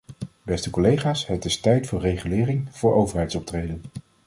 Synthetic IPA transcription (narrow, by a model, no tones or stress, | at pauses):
bɛstəkɔlejχaːsɦətɪstɛjtfʊːɹrejχylɪːrɪŋv̥ʊːɹʔowvəɹɦɛjtsɔp̚trejdən